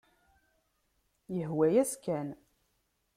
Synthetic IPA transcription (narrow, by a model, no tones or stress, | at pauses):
jəɦwæjæskæn